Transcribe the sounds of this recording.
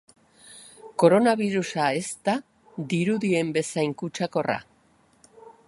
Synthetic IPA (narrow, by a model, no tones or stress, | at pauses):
ko̞ɾo̞naβiɾusae̞st̪a | d̪iɾuðie̞mbe̞sajŋkut͡ʃako̞ra̰